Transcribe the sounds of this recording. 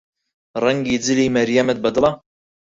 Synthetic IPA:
rɛŋɡiːd͡zɨliːmɛɾjamɛt̪̚bɐd̪ɨlˠɑ

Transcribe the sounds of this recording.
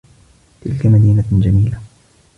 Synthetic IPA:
t̪ɪlkamad̪iːnad͡ʒamiːla

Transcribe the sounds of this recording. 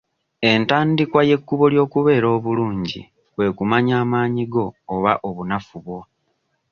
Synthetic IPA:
e̞ntaːndikwaje̞kːuβo̞ljo̞ːkuβe̞ːɾo̞ːβuluːɲɟḭ | βwe̞kumaɲaːmaːɲiɡo̞ːβaʔo̞βunafuβwo̞

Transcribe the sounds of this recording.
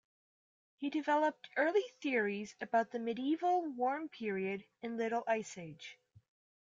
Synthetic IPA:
hidɨvɛlˠəp̚tʰɜ˞lˠiθɪɹizɨbaʊt̪̚ðɨmɨɾiivl̩ˠwɔɹmpʰɪɹiɨɾ | ɨ̃nlɪɾl̩ˠʔaɪseɪd̥ʒ̥

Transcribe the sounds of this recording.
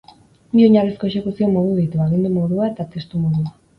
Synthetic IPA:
bio̞ɲaresko̞e̞ʃe̞kusio̞mo̞ðuðit̪uaɣ̞ind̪umo̞ðuae̞t̪at̪e̞st̪umo̞ðua

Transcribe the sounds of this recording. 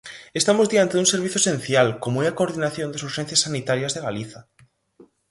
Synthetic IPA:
est̪amozðiant̪eðũŋseɾβ̞iθjoesẽnθjalkomoeakoɾðinaθjond̪asuɾxẽn̟θjasanit̪aɾjazðeɣaliθa

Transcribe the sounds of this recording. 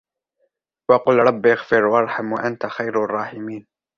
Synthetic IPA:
wɑqʊlɾˤɑbːɪaɣfɪɾwɑɾˤħamwaʔant̪axajɾrˤːɑːħɪmiːn

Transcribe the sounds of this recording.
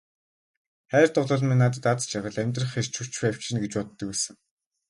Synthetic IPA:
χæːrt̪ʊɮə̆ɮminaːt̪ə̆t̪at͡st͡ɕʰaʁə̆ɮæmʲt̪rə̆χer̥t͡ɕʰur̥t͡ɕpæw̥ʲt͡ɕʰɪ̆nɡet͡ɕpɔt̪ːə̆kwæːsə̆ŋ

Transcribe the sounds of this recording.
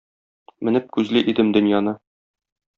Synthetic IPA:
mɘ̆nɘp̚kʉzlɘʔid̪ɘmd̪ɵ̆njɑnɤ

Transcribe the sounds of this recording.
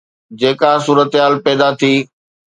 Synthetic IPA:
d͡ʑeːkasuːɾət̪ɦaːlpɛːd̪at̪ʰiː

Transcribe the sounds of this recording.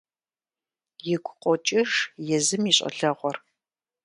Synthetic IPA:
jɪɡʷʊqʷʼɔt͡ʃʼɪʂjɛzɨmiːɕʼɐ̰ɬɐʁʷɔr

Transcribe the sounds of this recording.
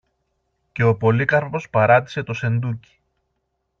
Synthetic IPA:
ce̞o̞po̞likɐɾpo̞spɐɾɐt̪̬i̥se̞t̪o̞se̞nd̪uci̥

